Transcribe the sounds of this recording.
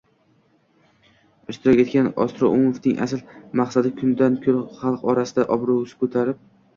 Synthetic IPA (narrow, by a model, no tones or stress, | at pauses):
ɪʃt̪ʰɪɾɒkʲe̞t̪kʲanɒ̰st̪ɾɒ̰ʔʊmofnɪŋʔa̰slmaqsad̪ɪkʲʰʊnd̪ankʲʰolχɑlˠqɒɾasɪd̪aʔɒbɾowsɪ̥kʰɵt̪ʰaɾɪp̚